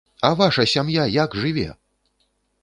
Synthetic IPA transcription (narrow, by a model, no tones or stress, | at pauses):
ɐvaʂɐsʲamjajakʐɨvʲɛ̰